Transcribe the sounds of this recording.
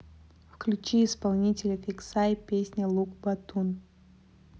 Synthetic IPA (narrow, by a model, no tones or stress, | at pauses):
fklʲut͡ʃiːspalˠnʲitʲɪlʲəfʲiksajpʲesʲnʲɐlˠukbɐt̪ʰun